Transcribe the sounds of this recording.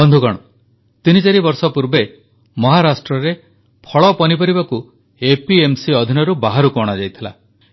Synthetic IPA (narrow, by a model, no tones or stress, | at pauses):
bɔnd̪ʱukɔɽ̃ɔ | t̪init͡ʃaɾibɔɾsɔpuɾbe | mɔɦaɾasʈɾɔɾe | pʰɔɭɔpɔnipɔɾibaku | epiemsiɔd̪ʱinɔɾubaɦaɾukɔɽ̃ad͡ʒajt̪ʰila̰